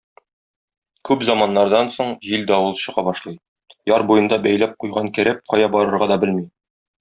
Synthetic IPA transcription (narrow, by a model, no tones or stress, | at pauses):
kʉpzɑmɑnːɑɾd̪ɑnsoɴʑild̪æɒwɤlˠɕɤ̆ʁɑbɒʃlˠɤj | jɒɾbujɤ̆nd̪ɑbæjlæp̚qujʁɑŋkæ̆ɾæp̚qɒjɑbɒɾɤ̆ɾʁɑd̪ɒbɘlmi